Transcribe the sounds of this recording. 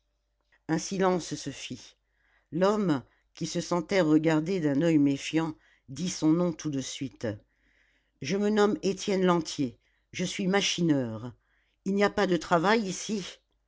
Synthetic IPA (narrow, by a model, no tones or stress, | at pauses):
ɛ̃silɑ̃ssəfi | lɔm | kʲisəsɑ̃t̪ɛʁəɡaʁd̪ed̪ɛ̃nœjmefjɑ̃ | d̪isɔ̃nɔ̃t̪ud̪əsɥit̪ | ʒəmənɔmet̪jɛnlɑ̃t̪je | ʒəsɥimaʃinœːʁ | ilniapad̪ət̪χavajisi